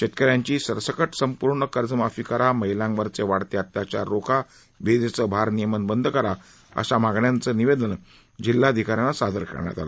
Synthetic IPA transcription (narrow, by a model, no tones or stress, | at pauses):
ɕet̪̚kəɾjaɲt͡ɕiːsəɾsəkəʈsəmpuɾɳəkəɾd͡zəmafikəɾaməɦilãŋɡʋəɾt͡seʋaɽt̪eat̪jat͡ɕaɾokʰa | ʋed̪et͡səːbʱaɾnijəmənbənd̪ʱəkəɾa | ə̰ɕamaɡɳjant͡səːniʋed̪ən | d͡ʑilːad̪ʱikaɾjãnasad̪ʱəɾkə̰ɾɳja̰t̪a̰la̰